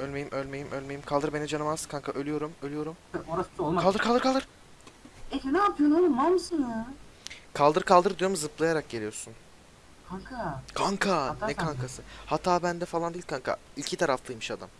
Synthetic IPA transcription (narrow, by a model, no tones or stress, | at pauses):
ølʲme̞jimʔølʲme̞jimʔølʲme̞jimkʰalˠd̪ɯɾbe̞nɛd͡ʒanɯmazkʰaŋkʰaʔølʲyjo̞ɾumølʲyjo̞ɾumoɾasɯ̥solˠmkalˠd̪ɯɾkʰald̪ɯɾkʰalˠd̪ɯɾ | et̪ɛnaːpʰijonoumamɯsɯnɯ | kʰalˠd̪ɯɾkʰalˠd̪ɯɾd̪ijomuzɯplˠajaɾak̚ɟe̞lʲijo̞ɾsun | kʰaŋkʰakʰaŋkʰannɛkʰaŋkʰasɯhat̪ʰaːbænd̪ɛfalˠand̪eiilʲkʰaŋkʰa̰ilʲcʰit̪ʰaɾaflˠɯjmɯʃad̪am